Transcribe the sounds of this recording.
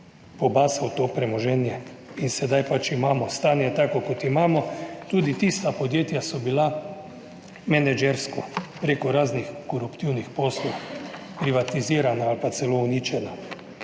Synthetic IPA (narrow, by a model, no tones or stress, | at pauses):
pɔbaːsawt̪oːpɾɛmɔʒɛːnjɛ | insɛd̪ajpat͡ʃimaːmɔst̪aːnjɛt̪akɔkot̪imaːmɔt̪uːd̪it̪ist̪apod̪jeːt̪jasɔbila | mɛnɛd͡ʒɛɾskɔpɾeːkɔɾaːznixkɔɾupt̪iwnixpoːslɔw | pɾiʋat̪iziːɾanaalpat̪sɛlouniːt͡ʃɛna